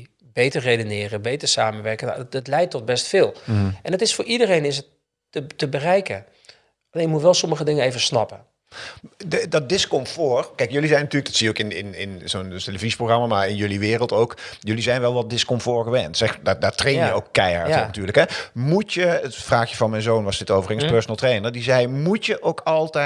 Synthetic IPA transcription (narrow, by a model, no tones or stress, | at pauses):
bejtərrejdənɪːrəbejtəɹsaːmənʋɛrkə̰tətlɛjtːɔt̚bɛstfɪːlˠʔɛnətɪsfʊːɹidərejnɪsət | ətəbərɛjkə | leːnjəmutʋɛlˠsɔməɣədɪŋəejvəsnɑpə | dɔt̚dɪskɔmfoːrkɛjkjølizɛjnatyːrləkdɔtsiəokɪnɪnɪnzonteləvizəproxχrɑmaːmaːɹɪnjɵliʋɪːrəlˠtowkjɵlizɛjnʋɛlˠʋɑt̚dɪskɔmfoːɹɣəʋɛntsɛdadaːɹtrejnjəowkːɛja̰ɹɔnatyːɹləkɦɛmutəətfraːxjəvɑnmɛjnzoːnʋɑsdɪtowvərɪŋspøɹsonəlˠtrejnəɹdizɛjmutjəʔowkɑlˠtɛ